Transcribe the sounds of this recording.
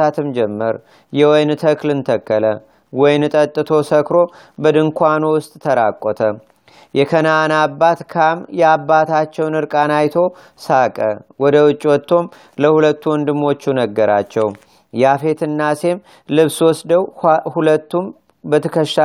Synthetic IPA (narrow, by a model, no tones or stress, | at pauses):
at̪ʰɨmd͡ʒɛmːəɾ | jɛwɔjnt̪ʰəklɨnt̪ʰəkːələ | wɔjnt̪ʼət̪ʼːɨt̪ʰo̞səkɾo̞ | bəd̪ɨŋkʰʷanowʊst̪ʼt̪ʰəɾakʷʼːɔt̪ʰə | jɛkʰənaːnabːat̪kʰamjɛabːat̪ʰat͡ʃːɛwnɨɾkʼanajt̪ʰo̞ | sakʼəwɔd̪əwɨt͡ʃʼːwɔt̪ʰːo̞m | ləhulət̪ːuwɔnd̪ɨmːo̞t͡ʃːunəɡːəɾa̰t͡ʃːɛw | jafe̞t̪ʰɨnːase̞m | lɨβswɔsd̪əwhulət̪ːum | bət̪ʰəkʰəʃa